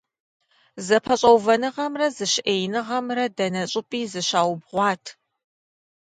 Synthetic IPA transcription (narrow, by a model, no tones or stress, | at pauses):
zɐpʰɐɕʼɐwvɐnɨʁɐmrɐzɨɕʔeːjnɨʁɐmrɐdɐnɐɕʼɪpʼiːzɨɕaːwbʁʷɑːtʰ